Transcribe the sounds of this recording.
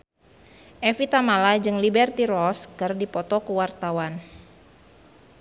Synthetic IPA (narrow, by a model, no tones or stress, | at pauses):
ʔɛfit̪amalad͡ʒɨŋlibɛrt̪iɾɔskɨrdipɔt̪ɔkəwart̪awan